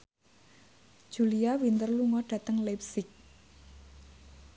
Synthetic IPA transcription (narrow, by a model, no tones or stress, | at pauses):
d̥ʒ̥uliawint̪ərluŋɔɖ̥ä̤t̪əŋlep̚sɪk̚